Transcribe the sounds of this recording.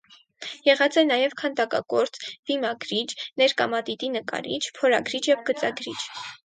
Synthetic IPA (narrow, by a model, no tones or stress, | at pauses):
jɛʁɑt͡sɛnɑjɛvkʰɑnt̪ɑkɑ̰kɔɾt͡sb̥imɑɡɾit͡ʃnɛɾkɑ̰mɑt̪it̪inəkɑ̰ɾit͡ʃʰpʰɔɾɑɡɾit͡ʃʰjɛvɡət͡sɑɡɾit͡ʃʰ